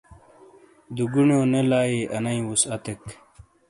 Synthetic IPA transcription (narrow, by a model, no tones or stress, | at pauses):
d̪uɡunjoːnelaːiʔɐnɐĩwusɐt̪ek